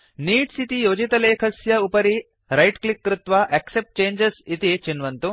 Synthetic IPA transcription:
niːʈsit̪ijoːd͡ʒit̪ɐleːkʰɐsjɐupɐɾi | ɾɐjʈklikːɾut̪ʋɐʔeksep̚ʈ̚t͡ʃeːnd͡ʒesit̪it͡ʃinʋɐnt̪u

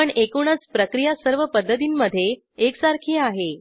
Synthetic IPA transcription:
əɳekuɳət͡spɾəkɾijasəɾʋəpəd̪ːət̪̬iːnməd̪ʱːje | eksaɾkʰeaɦe

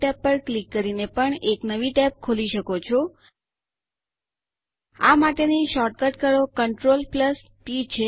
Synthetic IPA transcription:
ɛpːəɾklikːəɾinepəɳeknəʋiʈɛp̚kʰoliʃəkot͡ʃʰo | amaʈeniʃɔʈ̚kəʈkəɾokəɳʈɾolpləs | pit͡ʃʰe

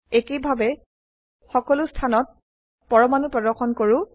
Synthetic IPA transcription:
ekejbʱabɛ | xɔkɔlʊstʰanɔt̚ | pɔɹɔmanupɹɔdɔɹxɔnkoɹu

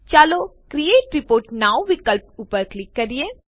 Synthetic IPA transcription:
t͡ʃaːlokɾieːʈɾɪpoːɾʈnaːwʋɪkəlp̚uːpəɾklɪkːɐɾieː

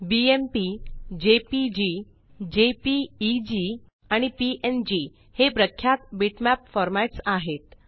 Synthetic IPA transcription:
biempid͡ʑepid͡ʑi | d͡ʑepiːd͡ʑi | aɽ̃ipiʔend͡ʑi | hepɾəkʰːjat̪biʈmæpfɔɾmaʈsaɦet̪

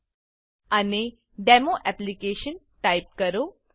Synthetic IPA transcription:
ane | ɖɛmoʔɛplikeʃən | ʈajp̚kəɾo

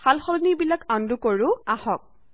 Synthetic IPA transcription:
xalxɔlnibilakandukoɹʊahɔk̚

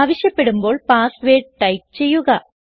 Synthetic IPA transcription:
ʋɐɕjɐpːe̞ɽumbo̞ːɭpaːsʋeːʈ̚ʈɐjk̚t͡ɕe̞jːuɣɐ

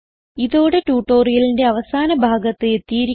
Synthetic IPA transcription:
iðo̞ːɽe̞ʈuːʈːo̞ːrijɐlinde̞ɐʋɐsaːnɐbʱaːɡɐt̪ːeet̪ːijiɾi

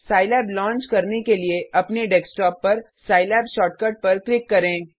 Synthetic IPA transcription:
saːɪlɛːblɔ̃ːnt͡ʃkɐɾnekelieɐpneɖɛksʈɔːpːɐɾ | saːɪlɛːbʃɔːʈ̚kɐʈ̚pɐɾklɪkːɐɾẽː

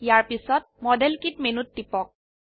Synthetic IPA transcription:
jaɹpisɔt̚mɔdɛlkitmenutːipɔk̚

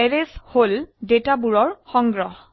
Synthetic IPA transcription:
ɛɹesholdetabuɹɔɹxɔŋɡɹɔh

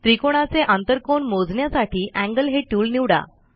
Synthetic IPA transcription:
t̪ɾikoɽ̃at͡seʔãnt̪əɾkoɳmod͡zɳjasaʈʰiːʔæ̃ŋɡəlɦeʈuːlniʋɽa̰

